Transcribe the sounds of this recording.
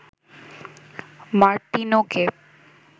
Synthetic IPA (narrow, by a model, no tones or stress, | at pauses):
maɾt̪inoke